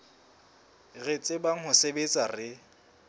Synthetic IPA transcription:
ɣet͡sʼɪbaŋ̩ɦʊsebet͡sʼarɪ

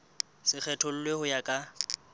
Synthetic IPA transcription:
sɪk͡xʰɛtʰol̩lwehʊjakʼa

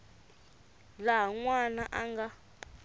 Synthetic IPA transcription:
laɦaŋwanaʔaŋɡa

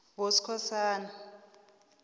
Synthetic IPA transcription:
ŋwosi̥kʰɔsaːna

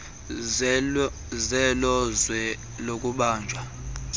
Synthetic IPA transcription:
zɛlɔzwɛ | lokʼuɓaːnd͡ʒʱwa

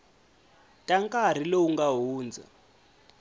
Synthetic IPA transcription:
tʼaŋkʼar̤ilɔuŋɡaɦuːnd͡za̰

